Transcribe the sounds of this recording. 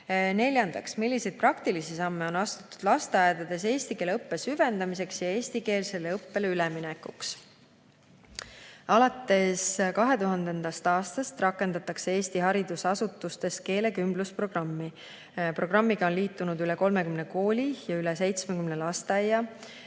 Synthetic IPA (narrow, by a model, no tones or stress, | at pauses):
ne̞lʲjɑnd̪̥ɑksmilʲːise̞jd̪̚prɑkt̪ilisisɑmːeo̞nɑst̪u̥t̪ːˑud̪̥lɑst̪eɑjed̪̥ɑd̪̥e̞se̞ːsʲt̪ike̞ːleɤpːe̞syvend̪ɑmise̞ksjɑe̞ːsʲt̪ike̞ːlse̞lːeɤpːe̞leylɛminɛkːuks | ɑlɑt̪ːˑe̞skɑɦe̞t̪uɦɑnd̪end̪̥ɑst̪ɑːst̪ɑst̪rɑkːˑe̞nd̪̥ɑt̪ːˑɑkseeːst̪iɦɑɾid̪̥usɑsut̪ːˑust̪e̞st̪̚ke̞ːle̞kymbluspro̞ɡ̥rɑmːi | pro̞ɡ̥rɑmːiɡ̥ɑo̞nliːt̪ːˑunud̪yleko̞lme̞kymne̞ko̞ːlʲijɑyles̬e̞jt̪smekymnelɑst̪ɑjːɑ